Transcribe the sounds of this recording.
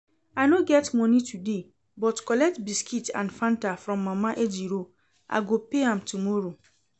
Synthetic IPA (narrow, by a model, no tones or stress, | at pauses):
anoɡɛtmɔ̃nĩtʰude | bɔtkɔlɛk̚tbiskʰitã̰nfãntafɾɔ̃mːãmãʔed͡ʒiɾo | a̰ɡopeãmtumɔɾo